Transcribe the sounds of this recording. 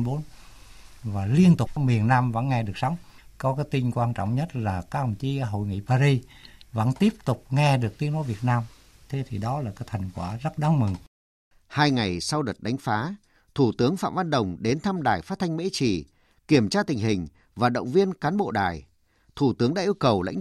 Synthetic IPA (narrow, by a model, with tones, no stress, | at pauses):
ɓo˨˦n | vaː˨˩li˧ənt̪ʊ˨˩k͡p̚mi˨˩ənːaː˧mvə̰˧˥nŋɛ˧ɗɨ˨˩ək̚sɔ˨˦wŋ͡mkɔ˨˦kaː˨˦jt̪i˧ŋkwaː˧nt͡ɕɔ̰˧˨wŋ͡mɲə˦˥t̚laː˨˩kaː˨˦˥kə˨˩t͡ɕi˨˦ɦo̰˧˨jŋḭ˧˨paː˧ɾi˧və̰˧˥nt̪i˦˥əp̚t̪ʊ˨˩k͡p̚ŋɛ˧ɗɨ˨˩ək̚t̪i˨˦əŋno˨˦jvi˨˩ət̚naː˧m | t̪ʰe˨˦t̪ʰi˨˩ɗɔ˨˦laː˨˩kaː˨˦jt̪ʰa˨˩jŋ̟kwaː˧˩zə˦˥t̚ɗaː˨˦ŋmɨ˨˩ŋ | haː˧jŋa˨˩jsa˧wɗə˨˩t̚ɗa˨˦jŋ̟faː˨˦ | t̪ʰu˧˩t̪ɨ˨˦əŋfa̰ː˧˨mva˧nɗə˨˩wŋ͡mɗe˨˦nt̪ʰa˧mɗaː˨˩jfaː˦˥t̪̚ʰa˧jŋ̟mḛ˧˥t͡ɕi˧˩ | ki˨˧˩əmt͡ɕaː˧t̪ï˨˩ŋ̟ɦï˨˩ŋ̟ | vaː˨˩ɗə̰˧˨wŋ͡mvi˧ənkaː˨˦nɓo̰˧˨ɗa̰ː˨˩j | t̪ʰu˧˩t̪ɨ˨˦əŋɗa̰ː˧ʔi˧ə˧wkə˨˩wla̰˧˥ŋ